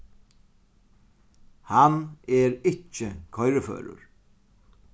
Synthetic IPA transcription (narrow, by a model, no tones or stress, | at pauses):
hanɛɾɪt͡ʃːɪkʰɔjɾəfø̰ːɾʊ̰ɹ